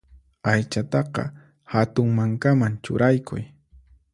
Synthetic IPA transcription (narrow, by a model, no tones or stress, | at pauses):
ajt͡ʃat̪ɑqɑ̰ | hat̪ʊŋmaŋkamant͡ʃʊ̰ɾajkʰʊ̰j